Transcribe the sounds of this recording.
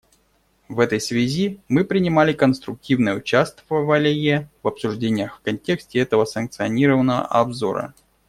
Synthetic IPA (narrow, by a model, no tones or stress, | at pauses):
vɛt̪əjsvʲɪzʲimɨpɾʲɪnʲɪmalʲɪkənst̪ɾʊk̚tʲivnəjəʊt͡ɕast̪vəvəlʲɪjəvɐpsʊʐdʲenʲɪjəxfkɐnʲtʲe̞ksʲtʲɪɛt̪əvəsənk̚t̪sɨɐnʲiɾəvənːəvə̰ʔɐbzo̞̰ɾə̰